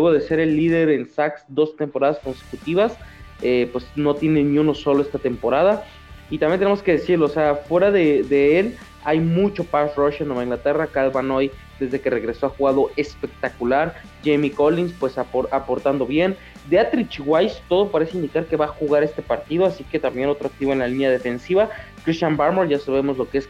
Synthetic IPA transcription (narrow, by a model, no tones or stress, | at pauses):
lweɣo̞ðe̞se̞ɾe̞lːið̞e̞ɾe̞nsaksd̪o̞st̪e̞mpo̞ɾað̞asko̞nse̥kut̪iβasepwe̞sno̞t̪je̞ne̞niũno̞so̞lo̞est̪at̪empo̞ɾað̞a | it̪ambjent̪enemoske̞ðesiɾlo̞ːseafwe̞ɾaðed̪e̞el | ajmut͡ʃo̞paʃroʃanomaĩŋɡlat̪e̞rakalβano̞j | d̪e̞zðe̞ke̞re̞ɣɾe̞so̞axuɣaðo̞e̞spe̞k̚t̪akulaɾ | d͡ʒejmiko̞linspwe̞saoɾapo̞ɾt̪and̪o̞βje̞n | d̪eat̪ɾit͡ʃiɣwajst̪o̞ð̞opaɾe̞seind̪ikaɾke̞βaxuɣaɾe̞st̪e̞paɾt̪ið̞o̞asike̞t̪ambjenot̪ɾoak̚t̪iβoenlalinjað̞e̞fe̞nsiβakɾist̪jambaɾmoɾʝasaβe̞mo̞zlo̞kees